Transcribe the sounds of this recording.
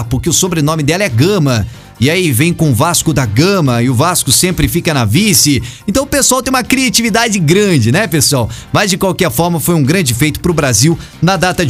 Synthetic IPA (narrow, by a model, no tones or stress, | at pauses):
pʊɾkɪʊsobɾenõmɪd̪ɛlɐɛɡɐ̃mɐ | ɪaivẽj̃kõʊvaskʊd̪ɐɡɐ̃mɐɪʊvaskʊsẽmpɾɪfikɐnɐvisɪẽnt̪ɐ̃w̃ʊpesʊawt̪ẽj̃ũmɐkɾiat͡ʃivid̪ad͡ʒɪɡɾɐ̃d͡ʒɪnɛpesuawmɐzd͡ʒɪkwawkɛɾfɔɾmɐfojũɡɾɐ̃d͡ʒɪfejt̪ʊ̥pɾʊbɾaziw | nɐd̪at̪ɐd͡ʒ